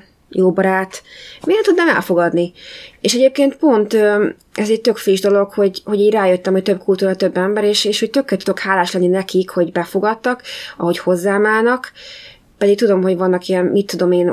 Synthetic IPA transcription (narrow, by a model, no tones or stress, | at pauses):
joːbɒɾaːt̪meːnɛt̪ud̪naːmɛ̰lfo̞ɡɒd̪nieːʃɛɟeːp̚keːnt̪po̞nt̪ø | ɛzɛc̚t̪ø̞kfiʒd̪o̞lo̞kho̞ɟho̞ɟiːɟraːjøt̪ːɛmhoc̚t̪øb̚kult̪uːɾɒt̪øbːɛmbɛɾeːʃeːʃhoc̚t̪ø̞kːɛːt̪ud̪o̞khaːlaːʃlɛnːinɛkikho̞ɟbɛfo̞ɡɒt̪ːɒkɒho̞cho̞zːaːmaːnɒk | pɛd̪ik̚t̪ud̪o̞mɦo̞ɟvɒnːɒkijɛnmit̪ːud̪o̞meːn